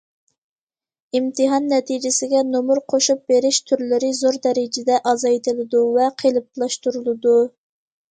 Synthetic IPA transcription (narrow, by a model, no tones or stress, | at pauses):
imt̪ʰɨɦɑnːɛt̪ʰid͡ʒɪsɪɡʲɛnomuɾqʰoʃup̚beɾɪʃt̪ʰyɾlɪɾɪzoɾd̪ɛɾɪd͡ʒɪd̪ɛʔɑzɑjt̪ʰɪlˠɨd̪uvɛqʰelˠɨp̚lˠɑʃt̪uɾulˠɨd̪u